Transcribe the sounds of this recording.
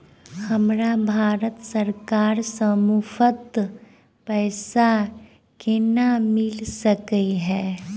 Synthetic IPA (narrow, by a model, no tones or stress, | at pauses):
həmɾabʱaːɾət̪səɾkaːɾsəmuːfət̪ | pɛːsa | kenamɪlsəkiɦɛː